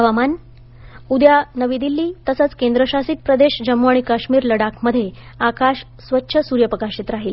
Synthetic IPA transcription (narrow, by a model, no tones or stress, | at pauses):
ɦəʋaman | ud̪janəʋid̪ilːiːt̪əsət͡skend̪ɾəɕasiːt̪̚pɾəd̪eɕd͡ʑəmːoaɳ̃ikaɕmiːɾləɽakməd̪ʱːjeakaɕ | sʋətːɕʰəsuɾjəpɾəkaɕit̪ɾaɦiːl